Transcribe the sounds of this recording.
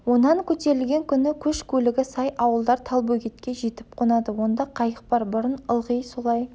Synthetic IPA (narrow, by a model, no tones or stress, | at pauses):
wo̞nɑŋkʲʰɵt̪e̞ɾɪlɡʲe̞ŋkʲʰʏnɪkʲʰɵʃkʲʰɵlɪɡʲɪsɑjɑwəlˠd̪ɑɾt̪ʰɑlˠbukʲʰe̞t̪̚kʲe̞ʒe̞t̪ɪp̚qʰonɑd̪əwo̞nd̪ɑqʰɑjəq̚bɑɾbʊɾənəlˠʁəjso̞lˠɑj